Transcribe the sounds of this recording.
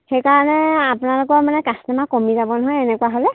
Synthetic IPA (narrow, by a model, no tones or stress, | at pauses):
xejkaɹɔnɛapʊnalʊkɔmanɛkastɛmakomizabɔnɔɦɔjɛnɛkuwaɦolɛ